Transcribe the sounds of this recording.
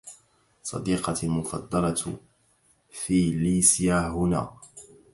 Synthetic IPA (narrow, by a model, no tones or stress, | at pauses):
sˤɑ̰d̪iːqɑlmʊfɑ̰d̪ˤːɑlɑ | fiːliːsjaːhʊna̰ː